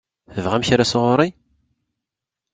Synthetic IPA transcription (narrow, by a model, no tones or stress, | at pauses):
θəvʁæmçaɾæsəʁʊɾˤi